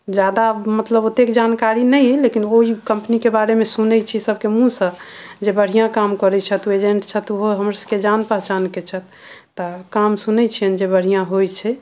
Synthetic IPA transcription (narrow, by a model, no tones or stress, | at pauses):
d͡ʒad̪amət̪ləbot̪ekd͡ʒankaɾinɛjlekinoɦikəmpnikebaɾemesunɛt͡ʃʰisəbkemũsə̃d͡ʒebəɽ̤ijãkamkəɾɛt͡ʃʰət̪ued͡ʒẽɳʈt͡ʃʰət̪uɦoɦəmɾasəked͡ʒanpəɦt͡ʃanket͡ʃʰət̪ː | əkamsunɛt͡ʃʰijənd͡ʒebəɽ̤ijãɦojt͡ʃʰɛ